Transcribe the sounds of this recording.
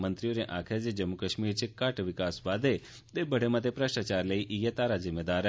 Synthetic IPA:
mənt̪ɾioneʔakʰeɾd͡ʒed͡ʒəmːukəʃmiɾt͡ʃʰekaʈʋɪkasʋad̪e | t̪ebəɽ̤emat̪epɾəʃʈat͡ʃaɾləiʔijət̪aɾazɪmːed̪aɾ

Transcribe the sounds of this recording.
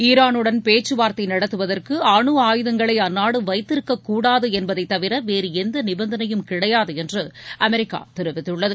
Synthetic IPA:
iːɾaːnɯɽɐnpeːt͡ʃːɯʋaːɾt̪ɐɪnɐɽɐt̪ːɯʋɐðɐrkɯaːɳɯaːjɯðɐŋɡɐɭɐɪɐnːaːɽɯʋɐɪt̪ːɪɾɯkːɐkːuːɽaːðɯɛnbɐðɐɪt̪ːɐʋɪɾɐʋeːɾɯɛnd̪ɐnɪbɐnd̪ɐnɐjɯmkɪɽɐjaːðɯɛndrɯʔɐmɛɾɪkːa̰ːt̪ɛɾɯʋɪt̪ːɯɭːɐðɯ

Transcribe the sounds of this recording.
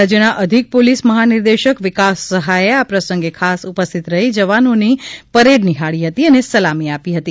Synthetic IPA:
ad͡ʒjənaʔəd̪ʱik̚polisməɦanɪɾd̪eʃəkʋɪkasːəɦajeapɾəsə̃ŋɡekʰasupəst̪ʰit̪ɾəɦid͡ʒəʋanonipəɾeɖniɦaɭiɦət̪iənesəlamiapiɦət̪i

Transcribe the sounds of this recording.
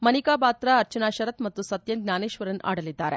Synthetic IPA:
mɐnikaːpaːt̪ɾaɐɾt͡ʃɐnaːʃɐɾɐt̪mɐt̪ːusɐt̪jɐnɡnaːneːʃʋɐɾɐnʔa̰ːɽɐlid̪ːaːɾḛ

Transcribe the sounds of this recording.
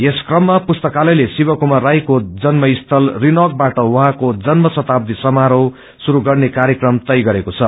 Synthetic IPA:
eskrʌmːapust̪ʌkalʌjlesibʌkumarajkod͡zʌnmʌist̪ʰʌlrinʌk̚baʈʌwʌɦãkod͡zʌnmʌsʌt̪ab̚d̪isʌmaɾʌw | suɾuɡʌrnekaɾjʌkrʌmt̪ʌjɡʌɾekot͡sʰʌ

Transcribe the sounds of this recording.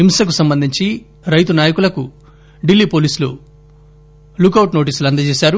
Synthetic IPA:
imsɐkusɐmbɐnd̪ʱiɲt͡ʃi | ɾɐjt̪unaːjɐkulɐku | ɖilːiːpo̞ːliːsulṵ | lukːɐwʈno̞ːʈ̬iːsuluɐnd̪ɐt͡ʃeːsaːɾu

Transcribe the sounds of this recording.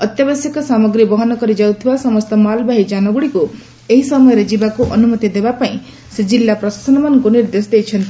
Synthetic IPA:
ʌt̪jabasjikɔsamɔɡɾibɔɦɔnɔkɔɾid͡ʒawt̪ʰibasɔmɔst̪ɔmalbaɦid͡ʒanɔɡuɽiku | eɦisɔmɔjɔɾed͡ʒibakuʔɔnumɔt̪id̪ebapaĩ | sed͡ʒilːapɾɔsḁsɔnɔmankuniɾd̪esd̪ejt͡ʃʰʌnt̪i

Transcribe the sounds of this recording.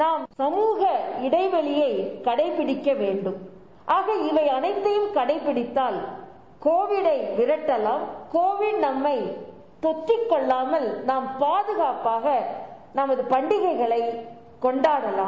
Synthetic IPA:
naːmsɐmuːɣɐɪɽɐɪʋɐɭɪjɐɪkɐɽɐɪpːɪɽɪkːɐʋeːɳɖɯm | ʔaːɣɐɪʋɐɪɐnɐɪt̪ːɐjɯmkɐɽɐɪpːɪɽɪt̪ːaːl | koːʋɪɽɐɪʋɪɾɐʈːɐlaːmkoːʋɪɽnɐmːɐɪ | t̪ɔt̪ːɪkːɔɭːaːmɐlnaːmpaːðɯɣaːpaːɣɐ | nɐmɐðɯpɐɳɖɪɣɐɪɣɐɭɐɪ | kːɔɳɖaːɾɐlaː

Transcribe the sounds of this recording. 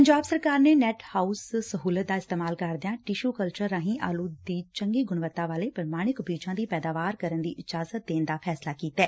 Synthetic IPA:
pəɲd͡ʒaːbsəɾkaːɾneːnɛːʈhaːussəɦuːlət̪̚d̪aːɪst̪eːmaːlkəɾd̪ejãːʈiʃuːkəlt͡ʃəɾːãːɦĩːʔaːluːd̪iːt͡ʃəŋɡiːɡʊɳʋət̪ːãːʋaːleːpəɾmaːɽ̃ɪkbiːt͡ʃãːd̪iːpɛːd̪aːʋaːɾkəɾənd̪ḭːʔɪd͡ʒaːzət̪̚d̪eːnd̪aːpʰɛːslaːkiːt̪ɛː

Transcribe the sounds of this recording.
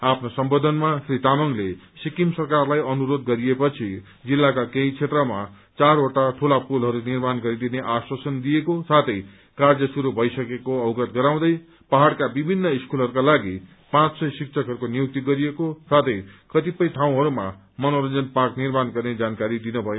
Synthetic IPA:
apʰnosʌmbod̪ʱʌnmasrit̪amʌŋlesikimsʌrkarlajʌnuɾod̪ɡʌɾiepʌt͡sʰi | d͡zilːakakeit͡sʰet̪rʌma | t͡saroʈaʈʰulapulɦʌɾunirmanɡʌɾid̪ineʔaswʌsʌnd̪iekosat̪ʰʌj | kard͡zʌsuɾubʱʌjsʌkekoʌbɡʌt̪̚ɡʌɾaw̃d̪ʌj | paɦaɽkabibʱinːʌiskulɦʌɾukalaɡi | pãt͡ssʌjsik̚t͡sʰʌkɦʌɾukonijuk̚t̪iɡʌɾijekosat̪ʰʌjkʌt̪ipʌjʈ̪ʰaw̃ɦʌɾuma̰ | mʌnoɾʌnd͡zʌnpaknirmanɡʌrned͡zankaɾid̪inubʱʌjo

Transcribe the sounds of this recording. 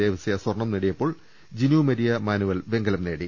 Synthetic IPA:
eːʋɐsɐjɐswɐrɳɐmniɽijɐpːo̞ːɭ | d͡ʑinumɐɾijɐmaːnuʋɐlbe̞ŋɡɐlɐmne̞ːɽi

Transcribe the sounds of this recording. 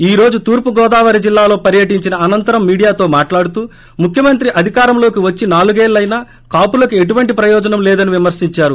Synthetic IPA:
iːɾo̞ːd͡ʒut̪uːɾpuɡɔːd̪aːʋɐɾid͡ʒilːaːlo̞ːpɐɾjɐʈiɲt͡ʃinɐɐnɐnt̪ɐɾɐmːiːɽijaːt̪o̞ːmaːʈlaːɽut̪uː | mukʰjɐmɐnt̪ɾiʔɐd̪ʱikaːɾɐmlo̞ːkiʋɐt͡ʃːinaːluɡeːllɐjnaː | kaːpulɐkue̞ʈ̬uʋɐɳʈipɾɐjɔːd͡ʒɐnɐmlɛːd̪ɐniʋimɐɾsiɲt͡ʃaːɾu

